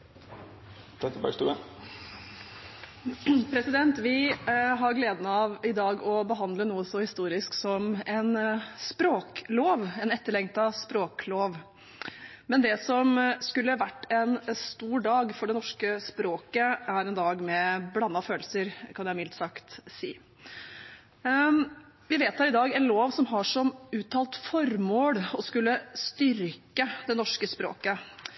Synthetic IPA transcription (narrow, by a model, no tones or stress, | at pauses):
p̪ʰɛt̪əbæ̰st̪ʉ̰ə | pʰɾɛsɪd̪ɛnt̪ʋɪɦɑɾɡleːd̪ənɑʋɪd̪ɑːɡɔbəɦɑnd̪lənuːəsɔhɪst̪uːɾɪsksɔmɛnspɾoːkloːʋɛnɛt̪ːəɭɛŋt̪ɑspɾoːkloːʋ | mɛnd̪ɛsɔmskʉlːəʋæʈːɛnst̪uːɖɑːɡfɔɖɛnɔʂkəspɾoːkəæɾɛnd̪ɑːɡmɛblɑnːɑføːlsəɾkʰɑnjæɪmɪlt̪sɑkt̪sḭː | ʋɪʋeːt̪hɑɾɪd̪ɑːɡɛnloːʋsɔmɦɑʂɔmʉːt̪ʰɑːlt̪fɔɾmoːɽɔskʉlːəst̪ʏɾkəd̪ɛnɔʂkəspɾo̰ːkə